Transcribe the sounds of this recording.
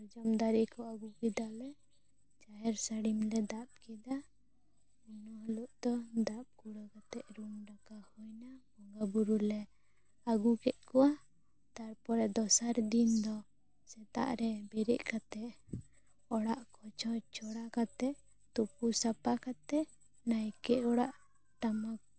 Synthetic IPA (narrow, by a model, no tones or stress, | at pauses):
ɔd͡ʒɔmd̪aɾikɔaɡukid̪alɛ | t͡ʃajɛɾsaɽimlɛd̪ap̚kɛd̪a | inɔɦluʔd̪̥ɔd̪ap̚kuɽakat̪ɛʔɾumɾakahɔjnahɔŋɡabuɾulɛ | aɡukɛt̪̚ˀkɔwa | t̪aɾpɔɾɛd̪ɔsaɾd̪ind̪ɔ | sɛt̪a̰ʔɾɛbɛɾɛʔkat̪ɛʔ | ɔɽaʔkɔt͡ʃʰɔt͡ʃʰɔɽakat̪ɛʔ | t̪upusapakat̪ɛʔ | najkɛʔɔɽaʔ | t̪ama